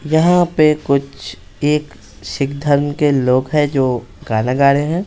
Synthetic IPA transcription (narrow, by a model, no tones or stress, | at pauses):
jɐɦãpekʊt͡ʃʰ | eːk | ʃɪk̚d̪ʱəɾmkeloːɡɦɛ̃d͡ʒoː | ɡaːnaɡaːɽeɦɛ̃ː